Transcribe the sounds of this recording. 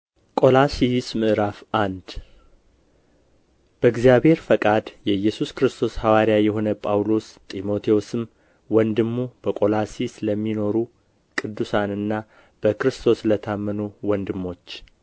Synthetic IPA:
kʼo̞lasismɨʔɾafʔand̪ | b̥əɨɡzijaβhe̞ɾfəkʼad̪jɛjːɛsuskɨɾɨst̪ʰo̞shawaɾijajɛɦo̞nəpʼawlo̞st̪ʼimo̞t̪ʰeosɨm | wɔnd̪ɨmːub̥əkʼo̞lasisləmːino̞ɾu | kʼɨd̪ːusanɨnːa | b̥əkɾɨst̪ʰo̞slət̪ʰamːənuwɔnd̪ɨmːo̞t͡ʃː

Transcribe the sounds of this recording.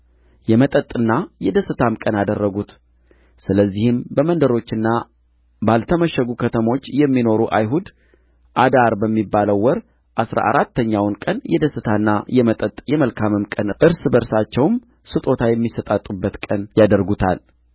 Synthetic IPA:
jɛmət̪ʼət̪ʼːɨnːajɛd̪əsɨt̪ʰamkʼənad̪ərːəɡut̪ | sɨləzːihɨmbəmənd̪əɾo̞t͡ʃːɨnːa | balt̪ʰəməʃəɡukʰət̪ʰəmo̞t͡ʃːjɛmːino̞ɾuʔajɦud̪ | ʔad̪aɾbəmːibːaləwːɔɾ | ʔasɾa̰ʔa̰ɾat̪ːəɲːawnkʼənjɛd̪əsɨt̪ʰanːajɛmət̪ʼət̪ʼjɛməlkʰamɨmkʼənʔɨɾsbəɾsat͡ʃːɛwm | sɨt̪ʼo̞t̪ʰajɛmːisət̪ʼat̪ʼubːət̪kʼənjad̪əɾɡut̪ʰa̰l

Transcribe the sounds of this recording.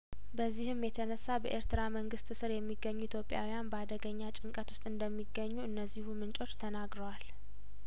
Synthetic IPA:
bəzːihɨmjɛt̪ʰənəsːabə̰ʔeɾt̪ʰɨɾaməŋɡɨst̪ɨsɨɾjɛmːiɡːəɲːuit̪ʰjo̞pʼja̰wijanbəad̪əɡəɲːat͡ʃʼɪŋkʼət̪wʊst̪ʼɨnd̪əmːiɡəɲːuɨnːəzːihumɨnt͡ʃʼo̞t͡ʃːt̪ʰənaɡɾəwal

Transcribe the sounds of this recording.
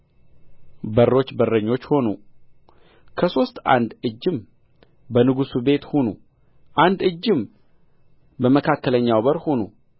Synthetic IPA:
bəɾːo̞t͡ʃːbərːəɲːo̞t͡ʃːho̞nu | kʰəso̞st̪a̰nd̪ɨd͡ʒːɪm | bənɨɡusube̞t̪honu | ʔand̪ɨd͡ʒːɪm | bəməkʰakːələɲːawbəɾhonu

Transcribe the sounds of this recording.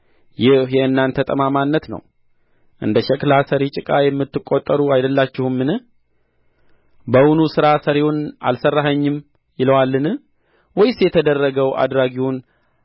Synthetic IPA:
jɪhjɛɨnːant̪ʰːət̪ʼəmamanːət̪nə̰w | ʔɨ̰nd̪əʃɛkʼlasəɾit͡ʃʼɪkʼajɛmːɨt̪ːɨkʼːot̪ʼːəɾuajd̪əlːat͡ʃːɪhumːɨnɨh | bəwunusɨɾasəɾewʊna̰lsərːaɦəɲːɪm | jɪləwalːɨnɨ | wɔjsjɛt̪ʰəd̪ərːəɡəwʔa̰d̪ɾaɡiwʊn

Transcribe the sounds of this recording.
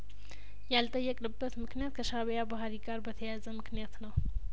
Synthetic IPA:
jalt̪ʼəjːɛkʼnɨbːət̪mɨknijat̪kʰəʃaβjabaɦɾiɡʼaɾbət̪ʰəjazəmɨknijat̪nəw

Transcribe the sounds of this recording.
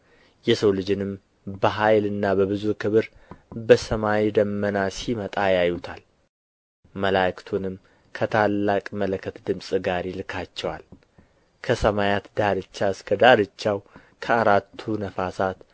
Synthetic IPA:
jɛsəwlɨd͡ʒɪnɨm | bəɦajlɨnːabəβɨzukʰɨβɨɾbəsəmawid̪əmːənasimət̪ʼajajut̪ʰal | məlakt̪ʰunɨm | kʰət̪ʰalːakʼmələkʰːət̪d̪ɨmsʼɨɡaɾelɨkʰat͡ʃːɛwa̰l | kʰəsəmajat̪d̪aɾɨt͡ʃːaɨskʰəd̪aɾɨt͡ʃːaw | kʰəaɾat̪ʰːunəfasat̪

